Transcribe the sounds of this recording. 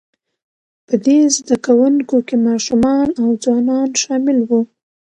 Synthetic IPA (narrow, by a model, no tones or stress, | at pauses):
pəd̪ezd̪akawuŋkokemɑʃumɑnawd͡zwɑnɑnʃɑmɪlwu